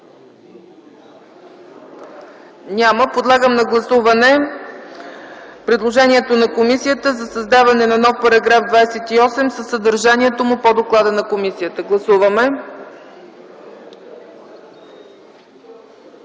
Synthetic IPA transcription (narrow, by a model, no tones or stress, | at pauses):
nʲaməpod̪lˠaɡəmnɐɡlˠɐsuvɐnɛ | pɾɛd̪lˠoʒɛniɛt̪onɐkomisijət̪əzɐsɐzd̪avɐnɛnɐnɔfpɐɾɐɡɾafd̪vajsɛt̪iɔsɛmsəsːəd̪əɾʒaniɛt̪omʊpod̪oklˠad̪ənɐkomisiət̪əɡlˠɐsuvəmɛ